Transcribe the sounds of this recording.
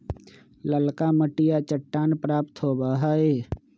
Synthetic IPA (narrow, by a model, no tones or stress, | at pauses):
ləlkaːməʈɪjat͡ʃəʈːaːnpɾaːpt̪ʰɦoːbaːɦaːeː